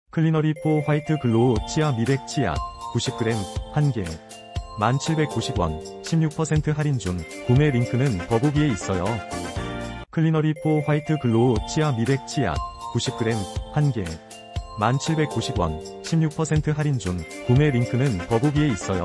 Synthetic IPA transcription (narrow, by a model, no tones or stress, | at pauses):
kʰɯɭːinʌɾipʰoɸwaitʰɯkɯɭːot͡ɕʰiamibe̞k̚t͡ɕʰia̰kuɕʰip̚k͈ɯɾe̞mhanɡe̞ | mant͡ɕʰiɭbe̞k̚k͈ːuɕʰiɡwʌ̰n | ɕʰimɲuk̚pʰʌsʰe̞ntʰɯɦaɾind͡ʑuŋ | kume̞ɾiŋkʰɯnɯnpʌbubie̞is͈ʌjo | kʰɯɭːinʌɾipʰoɸwaitʰɯkɯɭːot͡ɕʰiamibe̞k̚t͡ɕʰia̰kuɕʰip̚k͈ɯɾe̞mhanɡe̞ | mant͡ɕʰiɭbe̞k̚k͈ːuɕʰiɡwʌ̰n | ɕʰimɲuk̚pʰʌsʰe̞ntʰɯɦaɾind͡ʑuŋkume̞ɾiŋkʰɯnɯnpʌbubie̞is͈ʌjo̰